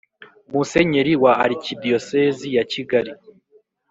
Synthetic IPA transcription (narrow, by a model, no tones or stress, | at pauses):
muse̞ɲe̞ɾiwaːɾicidioseːzijaciɡaɾi